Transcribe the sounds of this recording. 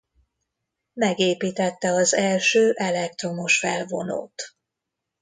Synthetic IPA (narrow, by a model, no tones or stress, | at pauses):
mɛɡeːpiːt̪ɛt̪ːɛɒzɛlʃøːʔɛlɛk̚t̪ro̞mo̞ʃfɛlvono̰ːt̪